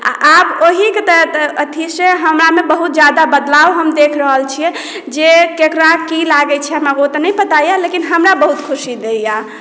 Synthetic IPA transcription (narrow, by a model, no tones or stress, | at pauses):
a̰ʔaboɦiket̪əət̪ʰiseɦəmɾamebəɦut̪̚d͡ʒjad̪abəd̪lawɦəmd̪ekʰɾəɦəlt͡ʃʰiɛ | d͡ʒekekɾakilaɡɛt͡ʃʰɛamaɡot̪ənəjpət̪ajalekinɦəmɾabəɦut̪kʰusid̪eija